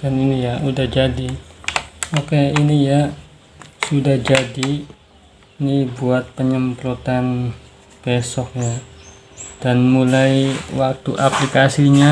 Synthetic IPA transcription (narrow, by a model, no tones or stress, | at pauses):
daninijaudahd͡ʒadi | okeinija | sudahd͡ʒadiː | nibuat̪̚pəɲəmpɾut̪an | b̥esɔk̚ja | d̥anmulajwak̚t̪uʔaplikasiɲa